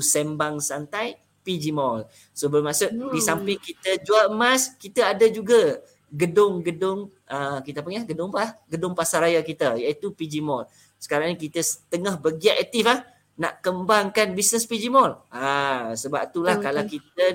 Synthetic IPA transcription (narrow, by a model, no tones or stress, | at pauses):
sɛmbaŋsant̪aj | pid͡ʒimɔl | sobərmasʊʔdisampɪŋkit̪əd͡ʒuaəmaskit̪əadad͡ʒuɡa | ɡədʊŋɡədʊŋ | əkit̪əp̬əŋaɡədʊŋpahɡədʊŋpasaɾajakit̪əjait̪upid͡ʒimɔl | sə̥kaɾaŋɲakit̪əsət̪əŋahbəɡiaʔɛt̪ifah | na̰ʔkəmbaŋkanbisnəspid͡ʒimɔlasəba̰p̚t̪ulahkalakit̪̚ə